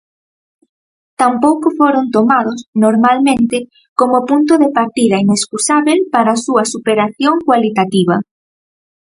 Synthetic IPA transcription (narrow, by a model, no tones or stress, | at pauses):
t̪ampowkofoɾont̪omaðosnoɾmalmẽnt̪ɪ | komopunt̪̬oðepaɾt̪iðɐineskusaβelpaɾaːsuɐsupeɾaθjoŋkwalit̪at̪iβ̞ɐ